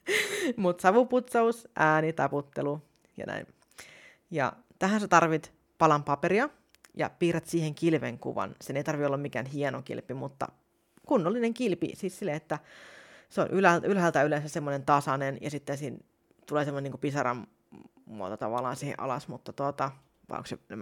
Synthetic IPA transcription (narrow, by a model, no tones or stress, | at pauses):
mut̪sɑʋuput̪sɑusʔæːnit̪ɑput̪ːelu | jɑ̰næ̰in | jɑ̰ | t̪æhænset̪ɑrʋit̪ | pɑlɑmpɑpeɾiɑ | jɑ̰piːrɑt̪siːheŋkilʋeŋkṵʋɑ̰nseneit̪ɑrʋiolːɑmmikæ̰ːnɦienokḭlpimut̪ːɑ̰ | kunːolːineŋkilpḭsiːssilːeet̪ːæ | seo̰nʔylælylɦælt̪æylẽnsæssemːonent̪ɑsɑnenjɑsit̪ːensiːn | t̪uleːsemoneniːkupisɑɾɑ̰m | mːuot̪ot̪ɑʋɑlːˑɑ̰ːnsiːhḛʔɑ̰lɑsmut̪ːɑt̪uot̪ɑ | ʋɑ̰o̰ŋksenem